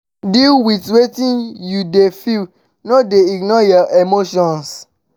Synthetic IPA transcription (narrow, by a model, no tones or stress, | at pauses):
dilwitwetĩnjudefil | nodeiɡnɔjɔʔemoʃɔ̃ns